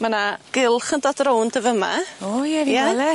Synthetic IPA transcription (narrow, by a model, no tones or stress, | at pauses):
manaɡ̥ɪlˠχəndɔdrowndəvəma̰ojɛɾijalɛ